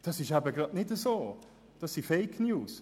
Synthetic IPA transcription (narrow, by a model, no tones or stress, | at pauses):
d̥ɑsɪʃæbəɡɾɑdnɪdəzoː | d̥ɑsːifɛɪkʰnjuːs